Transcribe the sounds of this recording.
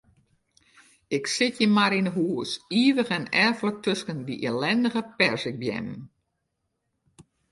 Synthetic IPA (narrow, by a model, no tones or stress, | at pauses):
ɪksɪtjəmaɾinəɦuəsiːʋəɣɛnɛrflətøskənʋiʔelɛndəɣəpɛrsɪk̚bjɛ̰m